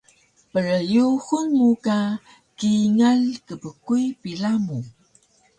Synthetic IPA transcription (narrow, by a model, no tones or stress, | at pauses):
pəɾəjuxunmuka | kiŋalkəbəkujpiɮamu